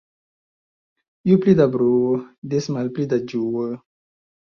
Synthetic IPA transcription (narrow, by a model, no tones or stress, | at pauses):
juplid̪abɾuəd̪esmalplid̪ad͡ʒuwə